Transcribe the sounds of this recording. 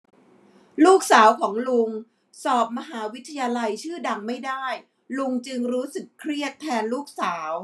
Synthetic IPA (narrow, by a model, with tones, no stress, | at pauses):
luː˥˩k̚saː˩˦wkʰɔː˩˦ŋlu˧ŋ | sɔː˨˩p̚ma˧ɦaː˩˦wi˦˥t̪ʰːa˧jaː˧la˧jt͡ɕʰɯː˥˩da˧ŋma˥˩jda˥˩j | lu˧ŋt͡ɕɯ˧ŋɾuː˦˥sɯ˨˩kʰːɾi˥˩ət̪ʰːɛː˧nluː˥˩k̚saː˩˦w